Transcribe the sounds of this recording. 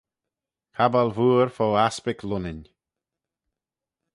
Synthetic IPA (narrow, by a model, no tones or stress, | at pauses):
kʰabalvuːɹfoaspɪkʰlʊnɪnʲ